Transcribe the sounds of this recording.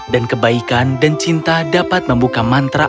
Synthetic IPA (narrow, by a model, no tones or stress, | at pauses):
dankəbaikandant͡ʃint̪adapat̪̚məmbukamant̪ɾa